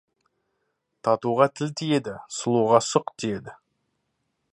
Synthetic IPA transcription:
t̪ʰɑt̪uʁɑt̪ʰɪlt̪ʰije̞d̪ɪsəlˠuʁɑsʊqt̪ʰije̞d̪ɪ

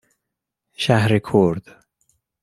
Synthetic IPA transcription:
ʃæhɾekʰoɾd̪̥

